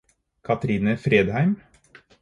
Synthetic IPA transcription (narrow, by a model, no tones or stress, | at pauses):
kʰɑt̪ɾiːnəfɾeːd̪hæɪm